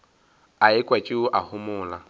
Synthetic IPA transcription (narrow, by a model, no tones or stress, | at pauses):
aɪkʼwat͡ʃʼɪʊʔahʊmʊːla